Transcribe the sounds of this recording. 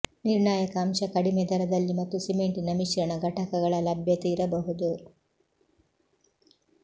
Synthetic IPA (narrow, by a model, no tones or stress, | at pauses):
niɾɳaːjɐkɐːmʃɐkɐɽimɛd̪ɐɾɐd̪ɐlːimɐt̪ːusimeɳʈinɐmiʃɐɾɐɳɐɡɐʈɐkɐɡɐɭɐlɐbʱjɐt̪iːɾɐbɐɦud̪u